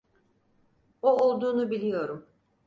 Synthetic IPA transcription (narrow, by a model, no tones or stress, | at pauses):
oolˠd̪uːnubilʲijo̞ɾum